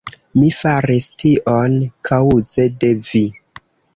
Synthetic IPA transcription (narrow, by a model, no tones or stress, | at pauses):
mifaɾistiʔonkʰawuzedevi